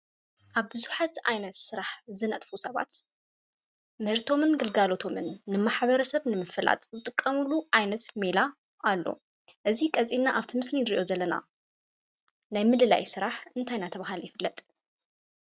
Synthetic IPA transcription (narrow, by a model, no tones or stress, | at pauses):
ʔaβbɨzuħat̪ʔajnɐt̪sɨɾaħzɨnɐt̪ʼfusɐβa̰t̪ | mɨhɨɾt̪ʰo̞mɨnɡɨlɡalot̪ʰo̞mɨnːɨmaħβɐɾɐsɐβnɨmɨfɨla̰t̪ʼzɨt̪ʼɨkʼːɐmulːuʕajnɐt̪mela | ʔalːo̞̰ | ʔɨzikʼɐzʼinːaʔaβt̪ʰimɨsliɾiʔo̞zɐlːɐna̰ | najmɨd̪ɨla̰jsɨɾaħɨnt̪ʰajnat̪ʰɐβaɦaljɪfɨlːɐt̪ʼ